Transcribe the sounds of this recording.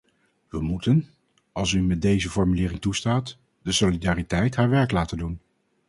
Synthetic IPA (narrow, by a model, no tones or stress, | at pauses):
ʋəmutən | ɑlˠsymɛt̚dejzəfɔɹmylɪːrɪŋtustaːt | dəsolidaːritɛjtɦaːɹʋɛɹklaːtəndun